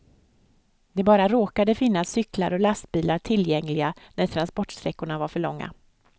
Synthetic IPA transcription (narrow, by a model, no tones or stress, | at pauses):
d̪ɛbɑːɾaɾoːkad̪əfɪnːasːʏkla̰ɾɔlast̪̚biːlaʈʰɪljɛŋlɪɡanæɾʈʰɾanspɔʈːʂt̪ɾɛkːʊɳavaɾfœɭɔŋːa̰